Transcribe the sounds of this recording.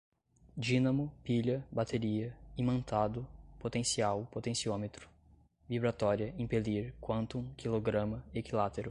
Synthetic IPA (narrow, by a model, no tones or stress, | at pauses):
d͡ʒinɐmʊpiʎɐbat̪eɾiɐimɐ̃nt̪ad̪ʊpot̪ẽsiawpot̪ẽsiõmet̪ɾʊ̥ | vibɾat̪ɔɾiɐĩpeliɾkwɐ̃nt̪ʊũkʰiloɡɾɐ̃mɐekilat̪eɾʊ